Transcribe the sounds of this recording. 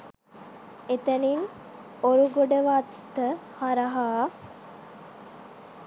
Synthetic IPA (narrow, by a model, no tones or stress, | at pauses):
et̪ɐnin | oɾuɡoɖəʋat̪ːəhaɾɐɦaː